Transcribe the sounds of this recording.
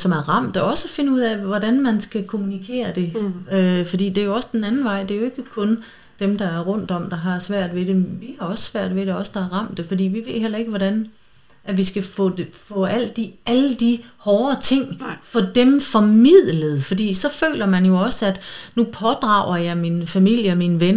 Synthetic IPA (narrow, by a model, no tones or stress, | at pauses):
sɒ̽mæɐʁɑ̈m̰d̥ɒɒ̽səfe̝nəuð̰ˠæʋɒdænmænsɡ̥ækʰo̝munikʰe̝̰ːɐd̥e̝øfɒ̽d̥ḭːd̥e̝jo̝ɒ̽səd̥enænn̩ʋɑ̈ɪ̰d̥e̝æjo̝e̝ɡ̥əkʰɔ̽n | d̥emd̥ɑ̈æɐʁɔ̽n̰d̥ɒ̽m̰d̥ɑ̈ɦɑ̈sʋæɐ̰d̥ˠʋe̝d̥e̝ʋihɑ̈ɒ̽ssʋæɐ̰d̥ʋe̝ɾe̝ɒ̽səd̥ɑ̈ɑʁɑ̈m̰d̥e̝fɒ̽d̥ḭːʋiʋe̝ð̰ˠɦel̰ɐe̝ɡ̥əʋɒdæn | ʔæʋisɡ̥æfɔ̰defɔ̰̽æl̰dd̥iæləd̥ihɒːɐt͡sʰe̝ŋ̰fɒd̥emfɒmið̰ˠləð̞̩ˠfɒ̽d̥ḭːsɒ̽fø̰ːlɐmænjo̝ɒ̽səæd̥nupʰɒ̽d̥ʁɑ̈ʊ̰ɐjɑ̈ɪminfæmil̰jəɒminʋen